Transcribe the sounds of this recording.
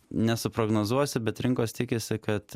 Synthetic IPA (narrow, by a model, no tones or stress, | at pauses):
nʲɛsʊpɾoːɡnoːzuɔsʲɪbʲɛt̪ɾʲɪŋkoːst̪ʲɪkʲɪsʲɪkɐt̪